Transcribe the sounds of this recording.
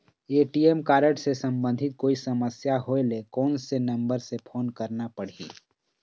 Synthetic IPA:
eːʈiemkaːɾəʈsesɐ̃mbə̃nd̪ʱɪt̪̚koːisɐməsjaɦoelekɔːnsenɐ̃mbəɾsepʰoːnkɐɾnapɐɽ̤ḭː

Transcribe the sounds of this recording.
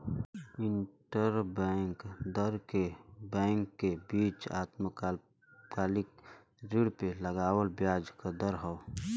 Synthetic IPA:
ɪɳʈəɾbɛŋkd̪əɾkebɛ̃ːŋkːebiːt͡ʃa̰ːt̪mək | ɡaːlɪk | ɾɪɽpeləɡaːwəlbjaːd͡ʒkad̪əɾɦə

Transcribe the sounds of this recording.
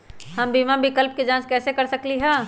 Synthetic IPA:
hɐmbimabɪkəlp̚ked͡ʒãt͡ʃkɛːsekɐɾsəkliɦɛ̃

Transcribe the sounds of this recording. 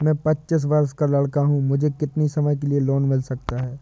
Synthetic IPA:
mɛ̃ːpɐtːt͡ʃɪs̬ʋɐɾskalɐɽkaɦũmʊd͡ʒʱekɪt̪nisɐməjk̬elieloːnmɪlsɐk̚t̪aɦɛː

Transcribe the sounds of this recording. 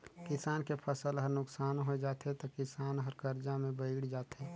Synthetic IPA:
kɪsaːnkepʰəsəlɦəɾnʊksaːnɦod͡ʒaːt̪et̪okɪsaːnɦəɾkəɾd͡ʒamẽbəɪɡɽd͡ʒaːt̪eː

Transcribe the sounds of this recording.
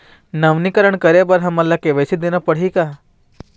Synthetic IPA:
nɐʋnikəɾəɳ̃kəɾebɐɾɦɐmɐlːakeʋesid̪eːnapəɽ̤ɦikaː

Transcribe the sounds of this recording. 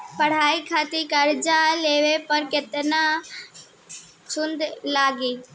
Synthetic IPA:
pɐɽ̤aːikʰaːt̪ikɐɾd͡ʒaleːʋepɐɾket̪na | t͡ʃʰʊ̃nd̪laːɡiː

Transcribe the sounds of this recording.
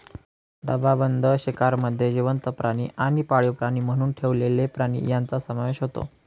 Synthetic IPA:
d̪əbabənd̪ʱəɕikaɾməd̪ʱːjed͡ʑiʋənt̪əpɾaɽ̃iːʔaɽ̃ipaɭjopɾaɽ̃iːm̤əɽ̃uːnʈʰeʋlelepɾaɽ̃ḭjant͡sasəmaʋeɕɦot̪o̰

